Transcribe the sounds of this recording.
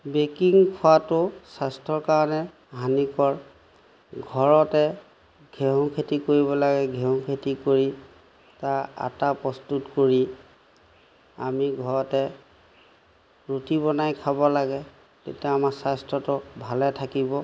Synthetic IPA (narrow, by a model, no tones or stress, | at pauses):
bekiŋkʰʊwatʊsastɔɹkaɹɔnɛ | ɦanikɔɹ | ɡʱɔɹɔtɛ | ɡʱeɦɔ̃kʰetikoɹibɔlaɡɛɡʱɛɦʊ̃kʰetikoɹi | taa̰tapɹɔstutkoɹi | amiɡʱɔɹɔtɛ | ɹutibɔnajkʰabɔlaɡɛ | tetiaamasastɹɔtʊbʱalɛtʰakibɔ